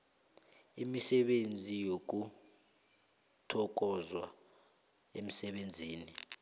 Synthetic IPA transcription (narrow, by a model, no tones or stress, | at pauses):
imisɛɓend͡zʱijok̬u | tʰɔk̬ʼɔzwa̰ | em̩sɛɓend͡zʱiːni